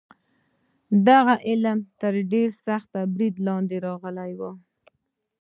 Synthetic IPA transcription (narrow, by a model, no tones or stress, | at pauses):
d̪aɣaʔɪləmt̪əɾɖeɾsaxt̪abɾid̪lɑnd̪eɾɑɣəlajwə